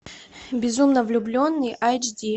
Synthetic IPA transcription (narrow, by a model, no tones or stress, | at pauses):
bʲɪzumnəvlʲʊblʲo̞nːɨjʔajd͡ʒdʲi